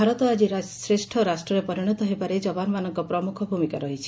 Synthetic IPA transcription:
aɾɔt̪ɔad͡ʒiɾasɾesʈʰɔɾasʈɾɔɾepɔɾiɽ̃ɔt̪ɔɦebaɾed͡ʒɔbanɔmanɔŋkɔpɾɔmukʰɔbʱumikaɾɔɦit͡ʃʰi̥

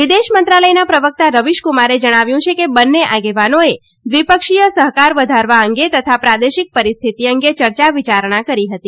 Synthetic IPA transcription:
ʋid̪eʃmənt̪ɾaləjnapɾəʋək̚t̪aɾəʋiʃkumaɾed͡ʒəɽ̃aʋjũt͡ʃʰekebənːeʔaɡeʋanoe | ʋipəkʃijəsəɦkaɾʋəd̪ʱaɾʋaəŋɡet̪ət̪ʰapɾad̪eʃik̚pəɾist̪ʰit̪iəŋɡet͡ʃəɾt͡ʃaʋit͡ʃaɾɳ̃akəɾiɦət̪i

